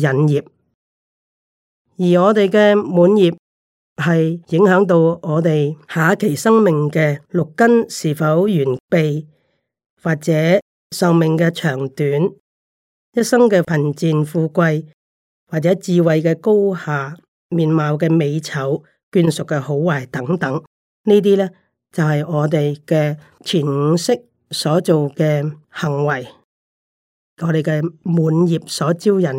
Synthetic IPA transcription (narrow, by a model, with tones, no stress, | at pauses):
jɐ˨njiː˨p̚ | jiː˨˩ŋɔː˨˧t̪e˨jkɛː˧muː˨˧˥njiː˨p̚ | hɐ˨jjɪ˨˥ŋhœː˨˥ŋt̪o˧wɔː˨˧t̪e˨jhaː˨˧kʰe˨˩jsɐ˥ŋmɪ˨ŋkɛː˧lʊ˨kkːɐ˥nsiː˨˩fɐ˨˥wjyː˨˩npe˨j | waː˨˩t̚t͡sɛː˨˥ | sɐ˨wmɪ˨ŋkɛː˧t͡ʃʰœː˨˩ŋt̪yː˨˥n | jɐ˥t̚sɐ˥ŋkɛː˧fʰɐ˨˩nt͡siː˨nfuː˧kʷɐ˧j | waː˨k̚t͡sɛː˨˥t͡siː˨wɐ˨jkɛː˧ko˥whaː˨ | miː˨˩nmaː˨˧wkɛː˧me˨˧jt͡sʰɐ˨˥w | kyː˧nsʊ˨kːɛː˧ho˨˥wːaː˨˩jt̪ɐ˨˥ŋt̪ɐ˨˥ŋ | niː˥t̪̬iː˥lɛ˥ | t͡sɐ˨wɦɐ˨jŋɔː˨˧t̪e˨jkɛː˧ | t͡sʰiː˨˩nŋ̩˨˧sɪ˥k̚ | sɔː˨˥t͡so˨wkɛː˧hɐ˨˩ŋwɐ˨˩j | ŋɔː˨˧ɾe˨jkɛː˧muː˨˥njiː˨p̚sɔː˨˥t͡siː˥wjɐ˨˩n